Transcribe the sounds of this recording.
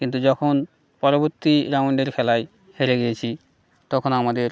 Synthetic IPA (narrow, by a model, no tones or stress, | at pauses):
kint̪̬ud͡ʑɔkʰon | pɔɾoboɾt̪iɾamɳɖeɾkʰɛlaj | heɾeɡijet͡ɕʰi | t̪ɔkʰonamad̪eɾ